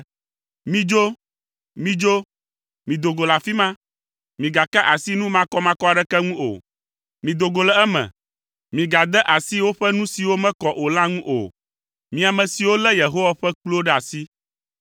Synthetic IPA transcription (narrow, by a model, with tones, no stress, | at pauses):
mĩ˦d͡ʒo˦ | mĩ˦d͡ʒo˦ | mĩ˨d̪o˨ɡo˨la˨fi˦mã˦ | mĩ˨ɡa˨ka˦ʔa˨si˦nũ˦mã˦kɔ˦mã˦kɔ˦a˨ɖɛ˦kɛ˦ŋũ˦o̰˨ | mĩ˨d̪o˨ɡo˨lɛ˦ɛ˦mɛ̰̃˨ | mĩ˨ɡa˨d̪ɛ˦ʔa˨si˦wo˦ɸɛ˦nũ˦si˨wo˦mɛ̃˦kɔ˨ʔo˨la˦ŋũ˦ʔo̰˨ | mĩ˨a˨mɛ̃˨si˨wo˦lɛ˦je˨ɦo˦wa˨ɸɛ˦k͡plo˦ɖɛ˦a˨si˦